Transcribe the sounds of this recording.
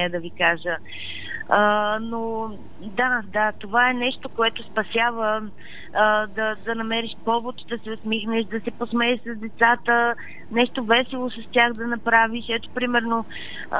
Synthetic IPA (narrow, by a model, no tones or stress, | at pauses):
ɛɛd̪ɐvikaʒə | əno | d̪ad̪at̪ovaɛnɛʃt̪okoɛt̪ospɐsʲjavə | d̪ɐd̪ɐnɐmɛɾiʃpɔvot̪d̪ɐsɛosmixnɛʃd̪ɐsɛposmɛɛʃsɐzd̪ɛt̪sat̪ə | nɛʃt̪ovɛsɛlˠosɐst̪ʲjaxd̪ɐnɐpɾaviʃɛt̪o̥pɾimɛɾno